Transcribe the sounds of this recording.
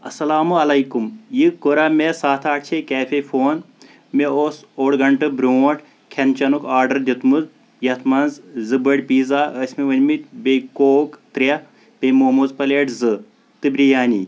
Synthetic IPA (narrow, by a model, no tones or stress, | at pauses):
ɐsɐlaːmuɐlɐjkumjikoɾamesaːt̪ʰaːʈ̚t͡ʃʰekʲaːfʰefoːn | meoːsoːɽɡɐɳʈɨbɾʲoːʈ | kʰɐnt͡ʃɐnukaːɾɖɐɾd̪ʲit̪muz | jɐt̪ʰmɐnzzɨbɐɽʲpiːzaːəsʲmeʋɐnʲmit̪ʲbekoːkt̪ɾʲɐ | pemoːmuzpɐleʈzɨ | t̪ɨbɾijaːnʲḭ